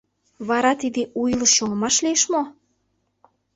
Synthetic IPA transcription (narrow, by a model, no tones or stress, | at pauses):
βɑɾɑt̪id̪eʔujlɤ̆oŋəmɑʃlieʃmo